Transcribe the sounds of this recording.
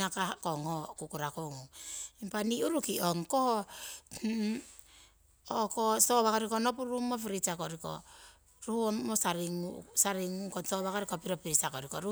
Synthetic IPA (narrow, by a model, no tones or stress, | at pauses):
akakoŋokukuɾakoŋuŋimpaniuɾukioŋkoh | okosoβakoɾikonopuɾumop̬iɾit͡ʃakoɾiko̰ | ɾuhuoosaɾiŋusaɾiŋuŋkosoβakoɾikopiɾopiɾisakoɾikoɾu